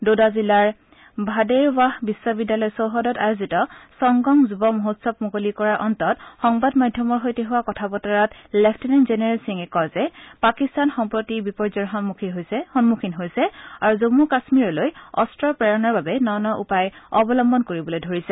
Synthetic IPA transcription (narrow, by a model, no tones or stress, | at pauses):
dodazilaɹ | bʱadeɹwaɦbiswɔbidjalɔjsowɦɔdɔta̰jozitɔsɔŋɡɔŋzubɔmoɦotsɔpmukolikɔɹaɹʔɔntɔtxɔŋbadmadʱjɔmɔɹɦojteɦʊwakɔtʰabɔtɔɹɔtlɛpʰtinanzenɛɹalsiŋɛkɔzɛpakistanxɔmpɹotibipɔɹzɔɹɦɔnmukʰiɦojsɛhɔnmukʰinɦojsɛaɹuzomukasmiɹɔlojɔ̰stɹɔpɹaɹɔnɔɹbabɛnɔnɔʔupajɔbɔlɔmbɔnkoɹibɔlojdʱoɹisɛ